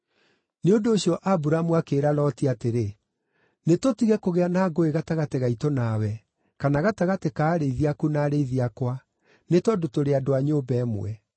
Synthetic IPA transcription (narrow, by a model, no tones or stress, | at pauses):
neondoːɕjɔʔabuɾamuakeːɾalɔtiateɾe | netotiɣɛkoɣeanaːɡoeɣataɣateɣaitonawɛ | kanaɣataɣatekaːɾeiðiakunaːɾeiðiakwa | netɔdotoɾeadoaɲoːbɛːmo̰ɛ̰